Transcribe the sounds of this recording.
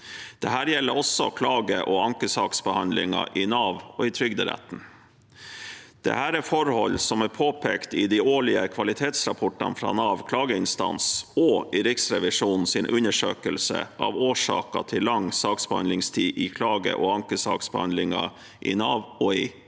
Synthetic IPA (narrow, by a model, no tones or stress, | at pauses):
d̪̥ɛhæːɾjɛlːəɾɔsːɔkʰlɑːɡəʔɔɑŋkəsɑːksbəhɑnd̪lɪ̰ŋɑʔɪnɑːʋɔɪt̪ʰɾʏɡd̪ɪɾæ̰t̪n̩ | d̪̥ɛ̰hæːɾɛɾfɔɾhɔlːsɔmæɾpʰoːpʰeːkt̪ɪd̪ɪoːɭɪəkʰʋɑlɪt̪ʰeːt̪sɾɑpʰɔʈɑ̰nfɾɑ̰ːnɑːʋkʰlɑːɡəɪnst̪ɑ̰nsɔɪɾɪksɾɛʋɪʂuːnn̩sɪnʔʉnəʂø̰ːkəlsə̰ʔɑ̰ʋoːʂɑ̰ːkɑt̪ʰɪllːɑŋːsɑːksb̥əhɑ̰nlɪŋst̪ʰiːʔɪkʰlɑːɡə̰ʔɔɑŋkəsɑ̰ːksbəhɑnd̪lɪŋɑ | ʔɪ̰nɑːʋɔɪ